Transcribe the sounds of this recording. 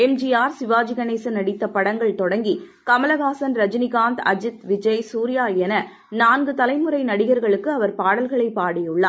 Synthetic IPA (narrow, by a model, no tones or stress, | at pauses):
ɛmd͡ʒiaːɾsɪʋaːd͡ʒɪɣɐneːsɐnɐɽɪt̪ːɐpːɐɽɐŋɡɐɭt̪ɔɽɐŋɡi | kɐmɐlɐɣaːsɐnɾɐd͡ʒnɪɣaːnt̪ɐd͡ʒɪt̪ʋɪd͡ʒɐɪsuːɾɪjaːjɛnɐ | naːnɡɯt̪ɐlɐɪmɯɾɐɪnɐɽɪɣɐɾɣɐɭɯkːɯɐʋɐɾpaːɽɐlɣɐɭɐɪpːaːɽɪjɯɭːaː